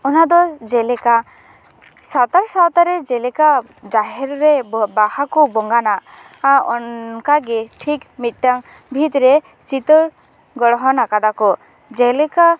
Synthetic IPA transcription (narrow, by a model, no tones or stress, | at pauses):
ɔnad̪ɔd͡ʒelɛka | sat̪aɾsawt̪aɾed͡ʒelɛka | d͡ʒaɦɛɾɔɾebahakɔbɔŋɡana | aɔnkaɡeʈʰikmit̪̚ˀʈaŋ | bʱit̪ɾe | t͡ʃit̪ɔɾ | ɡɔɽɔɦɔnakad̪akɔ | d͡ʒelɛka